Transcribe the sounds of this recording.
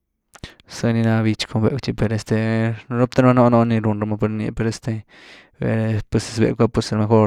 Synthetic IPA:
se˧ni˧na˧bi˧t͡ʃkʰo˧bḛ˨t͡ʃi˧pe˧ɾe˧st̪e˧ɾo˦p̚t̪a˦ɾma˦no˦no˦ni˧ɾu˧nɾa˧ma˧pe˧ɾnḭ˧pe˧ɾe˧st̪e˧ | bḛ˧ɾpe˧se̥˧sbḛ˨kʷa˦pu˧se˧ɾme˧xo˦ɾ

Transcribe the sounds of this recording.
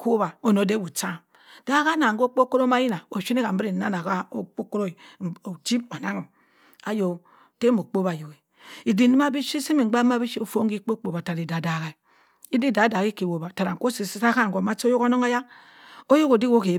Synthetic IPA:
ko˦ba˨o˦no˨˦de˦wu˨t͡ʃa˦˨ | d̥a˦ka˦na˨˦ɡo˦k͡po˦ko˦ɾo˦ma˦ji˦na˨o˨ʃi˦ni˦ka˨m̩˦bi˦ɾi˨na˦na˨ka˦o˦k͡po˦ko˦ɾo˦˨t͡ʃi˦bo˨na˦ŋo˨m | a˨jo˨ | te˦mo˨k͡po˦ba˨jo˨we˨ | i˨di˨ni˦ma˦bi˦ʃi˦si˦mi˨˦ɡ͡ba˦m˦a˦bi˦ʃi˦o˨fo˦ŋ˦ɡi˦k͡po˦k͡po˨ba˨ta˨ɾi˨da˨da˨ɣa˨ | i˦di˦˨da˨˦da˨ki˦ke˨wo˨ba˨ta˨ɾa˨ŋ˨ko˦si˨si˦sa˦ka˦ŋɡo˨ma˦t͡ʃo˦jo˦ko˦no˦ŋa˦ja˦ | o˦jo˦ko˨di˦ko˦ke˨

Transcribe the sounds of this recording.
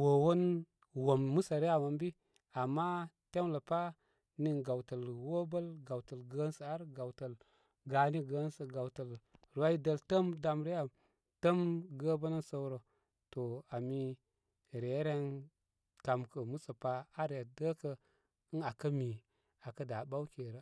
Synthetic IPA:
wo˨wo˦n | wo˨mːu˦sa˨ɾe˦ja˨mə˨mbi˦ | a˨mːa˦ | te˦mlə˨pa˦ | ni˦˨nɡa˨wtə˨lwo˦bə˦lɡa˨wtə˨lɡə˦nsə˨a˦ɾɡa˨wtə˨l | ɡa˨ni˦ɡə˨˦nsə˨ɡa˨wtə˨lɾu˨wa˦i˦də˦ltə˦mda˦mɾe˦ja˨ | tə˦mɡə˦bə˦nə˦nso˦wɾo˨ | to˨a˨mi˦ | ɾe˨˦ɾe˦n | ta˨mkə˨mu˦sə˨pa˦a˦ɾe˨də˦kə˦ | ɨ˦na˨kə˦mi˨ | a˨kə˦da˨ba˦wke˨ɾə˦

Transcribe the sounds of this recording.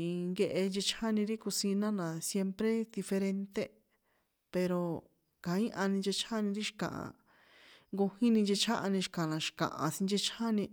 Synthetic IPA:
ŋɡe˧ʔe˧nd͡ʒe˧t͡ʃʰa˦nĩ˧ɾi˦ku˧sĩ˧nã˦nã˨sje˧mpɾe˦d̪i˧fe˧ɾe˧nt̪e˦ | pe˧ɾo˧ | kã˨˦ĩ˦ʔã˧nĩ˧nd͡ʒe˧t͡ʃʰã˦nĩ˧ɾi˦ʃi̥˧kã̰˨ʔã̰˨ | ŋɡu˧hĩ˦nĩ˧nd͡ʒe˧t͡ʃʰã˦ʔa˧nĩ˧ʃi̥˧kã˨nã˨ʃi̥˨kã̰˨ʔã̰˨sĩ˧nd͡ʒe˧t͡ʃʰã˦nĩ˧

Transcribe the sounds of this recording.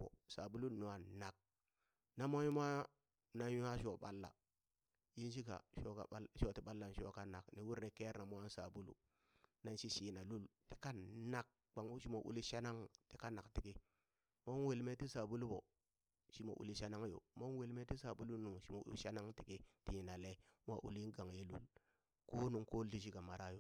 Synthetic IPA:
bo̰˨sa˨bu˦lu˦nu˨a˨na˨k̚ | na˦mo˦u˦m˦a˦ | na˨nju˦a˦ʃo˨ɓa̰˦lːa̰˨ | ji˦nʃi˦ka̰˨ʃo˦ka̰˨˦ʃo˦ti˨ɓa˦lːa˨n˨ʃo̰˦ka˦na˨kni˨wu˦ɾne˨ke˦ɾna˨mu˦a˦n˦sa̰˨bu˦lṵ˦ | na˨nʃi˦ʃi˨na˨lu˦lti̥˦ka˦na˨k̚ | k͡pa˨ŋ˦ʃi˦mo˨ʔṵ˦li˦ʃa˦na˦ŋti˨ka˦na˨kti˨ki˦ | mo˦we˨lme˦ti˦sa˨bu˦lu˦bo˨ | ʃi˦mo̰˨ʔṵ˨li˦ʃa˦na˦ŋ˦jo̰˨mo˦we˨lme˦ti˦sa˨bu˦lu˦nu˨ŋ˨ʃi˨mo̰˨˦ʃa˦na˦ŋti˨ki˦ti˨na˨le˦m˦a̰˦ʔṵ˨li˦n˦ɡa˨ŋje˦lṵ˦l | ko˦nu˨ŋko˦li˦ʃ̬i˦ka˨ma˨ɾa˦jo˦

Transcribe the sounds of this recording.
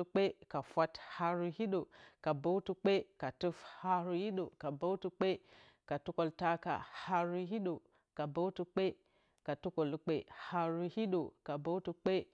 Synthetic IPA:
k͡pe˦ka˨fʷa˦tha˦ɾu˦hi˦ɗo˨ka˨bo˦wtu˨k͡pe˦ka˨tu˦fha˦ɾu˦ji˦ɗo˨ka˨bo˦wtu˦k͡pe˦ | ka˨tu˦ko˨lta˦ka̰˨ha˦ɾu˦ɦi˦ɗo˨ | ka˨bo˦wtu˨k͡pe˦ | ka˨tu˦ko˨lk͡pe˦˨ha˨ɾu˦hi˦ɗo˨ka˨bo˦wtu˨k͡pe˦

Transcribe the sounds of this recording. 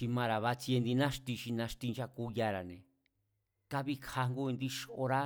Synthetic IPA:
ʃi˧mã˧ɾa˨βa˧t͡si˧e˧nd̪i˧nã˦ʃt̪i˧ʃi˧nã˧ʃt̪i˧nʃa˧ku˧˦ja˧ɾa˨nḛ̃˨ | ka˦βi˧kʰa˧ŋɡu˦i˧nd̪i˧ʃo˧ɾa˦

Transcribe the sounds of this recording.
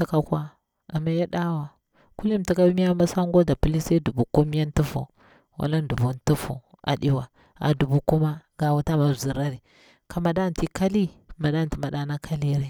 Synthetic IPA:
ta˦ka˨kʷa˦ | a˨ma˦ja˦ɗa˦wa˨ | ku˦li˦m˨ti˦ka˦mi˦ja˦ma˦sa˦ŋɡo˦da˨pu˦li˦sa˦du˨bu˨ku˦m˦a˦ntu˦fṵ˨ | wa̰˨la˦n˦du˨bu˨ntu˦fṵ˨a̰˨ɗi˦wa˨ | a̰˨du˨bu˨ku˦ma˦ɡa˨wa˨ta˦ma˨zi˨ɾa˦ɾi˨ | ka˨ma˨da˦˨n˨ti˦ka˦li˦ma˨da˦˨n˨ti˨ma˨da˦na˦kʰa˦li˦ɾe˨

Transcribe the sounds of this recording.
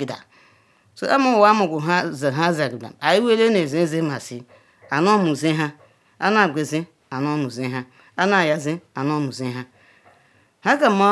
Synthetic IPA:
i˨da̰˨ | so̰˨˦ʔa˦mu˦˨˦a˦mu˨ɡʷu˨ɦa˦za˨ɦa˦za˨ɡi˨da̰˨a˨ji˦we˦le˦ne˨ze˦ze˦ma˨si˦ | a˨no˦mu˨zi˦ɦa˦ | a˦na˦˨ɡʷe˨zi˦ | a˨no˦mu˨zi˦ɦa˦ | a˦na˦˨ja˦zi˦a˨no˦mu˨zi˦ɦa˦ | ha˦ka˨˦ma˦

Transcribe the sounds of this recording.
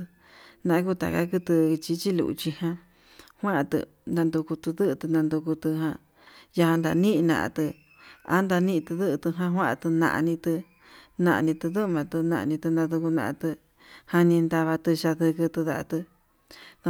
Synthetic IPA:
nã˧ʔã˧k̬u˦t̪a̰˨ka˦ku˧t̪ɨ˧t͡ʃi˧˦t͡ʃi˦lṵ˧ʔṵ˧t͡ʃi˧hã˧ | hʷã˦ʔa˧t̪ɨ̰˧ | nã˧nd̪u˧ku˧t̪ɨ˧ðɨ˦ʔɨ˧t̪ɨ˧nã˧nd̪u˧ku˧t̪ɨ˧ɦã˧ | ja˧hã˧nd̪a̰˧nĩ˦ʔnã̰˧ʔa̰˧t̪ɨ˧ | a̰˦nd̪a˧nĩ˦˧t̪ɨ˧ðɨ˦ʔt̪ɨ˧ɦã˧ɦwã˦ʔa̰˧t̪ɨ˧nã̰˧ʔa̰˧nĩ˧t̪ɨ˧ | nã˧ʔa̰˧nĩ˧t̪ɨ˧ðɨ˦ʔmã˧t̪ɨ˧nã̰˧ʔa̰˧nĩ˧t̪ɨ˧nd̪ã˧ðu˧ku˧nã̰˧ʔã̰˧t̪ɨ˧ | hã˧nĩ˧nd̪a˧βa˧t̪ɨ˧ʃa˧ðɨ˧kɨ˧t̪ɨ˧ða˧˨a˧t̪ɨ˧

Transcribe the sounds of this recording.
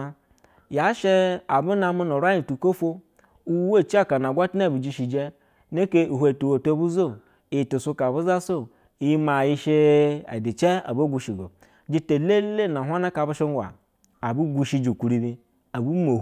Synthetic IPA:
ja˨˦ʃe˦a˨bu˦na˨mu˦no˨ɾa˦ji˨tu˨ko˦fo˦ | u˦we˦˨t͡ʃi˦a˦ka˨na˨ɡʷa˦ti˦na˦˨bu˨d͡ʒi˦ʃi˨d͡ʒe˦ | ne˦ke˦u˨ɦʷe˨tu˨wo˨to˦bu˦zo˦˨ | tu˨su˦ka˨bu˦za˦so˦˨ | i˦ma˨ji˦ʃe˦a̰˨di˨t͡ʃe˦a̰˨bo˦ɡʷu˨ʃi˨ɡo̰˨ | d͡ʒi˦te˨le˦le˦˨na˨ɦʷa˦na˦ka˨bu˦ʃe˦ŋ˦ɡʷa̰˨ | a˨bu˦ɡʷu˦ʃi˦d͡ʒi˨kʷu˨ɾi˨bi˦ | a˨bu˦mo˨˦

